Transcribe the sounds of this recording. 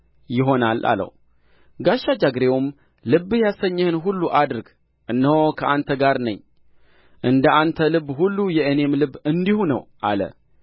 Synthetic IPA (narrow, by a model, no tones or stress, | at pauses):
jɪɦo̞nalʔa̰lə̰w | ɡaʃːad͡ʒaɡɾewum | lɨβːɨjasəɲːɛhɨnɦulːuʔad̪ɨɾɡ | ʔɨnːəhokʰəʔant̪ʰəɡaɾnə̰ɲː | ʔɨnd̪əʔant̪ʰəlɨβːɦulːujɛəne̞mlɨβɨnd̪ihunə̰wʔa̰lə̰